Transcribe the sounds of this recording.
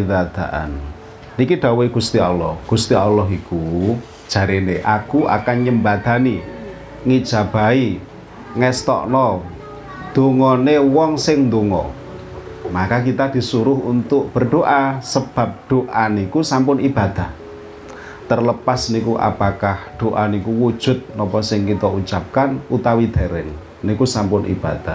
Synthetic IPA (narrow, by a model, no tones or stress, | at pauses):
d̪ad̪̥aʔa̰n | nikiɖ̪̥a̤weɡ̥ṳst̪iɔ̰lɔhɡ̥ṳst̪iɔlːɔɦiku | d̥ʒ̥a̤ɾeneʔakuʔa̰kaŋɲəmbad̪̥a̤ni | ŋid̥ʒ̥a̤b̥a̤i | ŋɛst̪ɔ̰ʔnɔ | d̪̥oŋɔnewɔŋsɪŋnd̪oŋɔ̰ | makak̬it̪ad̪̥i̤suɾʊɦunt̪ʊʔ̚b̥ə̤rɖ̪̥oʔasəb̥a̤p̚ɖ̪̥oʔanikusampʊnib̥a̤d̪̥a̤h | t̪ərləpasnikuʔa̰pakahɖ̪̥oʔanikuwud̥ʒ̥ʊ̤t̪̚nɔpɔsɪŋkit̪ɔut͡ʃap̚kanut̪awid̪̥aɾɛ̰ŋ | nikusampʊnʔḭb̥ad̪̥a